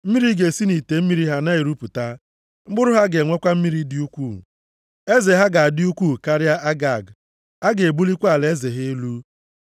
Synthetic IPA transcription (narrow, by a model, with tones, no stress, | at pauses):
m̩˦mi˦ɾi˦ɡe˨si˦ni˨te˨m̩˦mi˦ɾi˦ɦa˦na˦i˨ɾu˦pu˨ta˦ | ŋ͡m̩˦ɡ͡bʊ˦ɾʊ˦ɦa˦ɡe˨ŋʷe˦kʷa˦m̩˦mi˦ɾi˦dɪ˦u˦kʷuː˦˨ | e˦ze˨ɦa˦ɡa˨a˨dɪ˦u˦kʷuː˦˨ka˦ɾja˦ʔa˦ɡa˨ɡ | a˦ɡe˨e˨bu˦li˦kʷa˦˨le˦ze˨ɦɪ˦lu˦